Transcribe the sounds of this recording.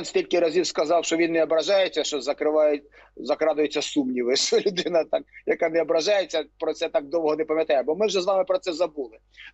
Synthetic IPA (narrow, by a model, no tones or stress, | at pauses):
nsʲtʲilʲkɪɾɐzʲiwskɐzɑwʃt͡ʃɔʋʲinːɛɔbɾɐʒɑjet͡sʲːɐʃt͡ʃɔzɐkɾɪʋɑje | zɐkɾɑd̪ʊjet͡sʲːɐsumnʲiʋɪʃɔlʲʊd̪ɪnɐt̪ɑkjɐkanɛɔbɾɐʒɑjet͡sʲːɐpɾɔt̪sɛt̪ɑk̚d̪ɔwɦɔnɛpɐmʲjɐt̪ɑjɛbɔmɪwʒɛzʋɑmɪpɾɔt̪sɛzɐbulˠɪ